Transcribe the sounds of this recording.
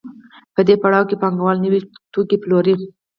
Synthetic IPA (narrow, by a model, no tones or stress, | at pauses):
pəd̪epaɽɑwkepɑŋɡawɑlnəwit̪okiploɾi